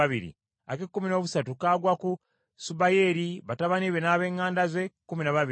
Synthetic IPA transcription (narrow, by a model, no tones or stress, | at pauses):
aβiɾḭ | a̰kekːumino̞ːβusatukaːɡwaku | subajeɾiβataβaniβenaːβe̞ːŋːaːndaze̞kːuminaβaβi